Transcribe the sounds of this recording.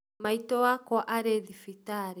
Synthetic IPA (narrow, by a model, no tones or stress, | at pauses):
maitɔakɔʔaɾeðifitaɾ